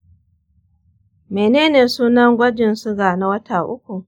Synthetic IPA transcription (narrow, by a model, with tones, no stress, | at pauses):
meː˨neː˦neː˨suː˦nɐ˦ŋɡʷɐ˦d͡ʒɪ˨nsʊ˦ɡaː˨na˨wɐ˦tʰaː˨ʔʊ˦kʷu˨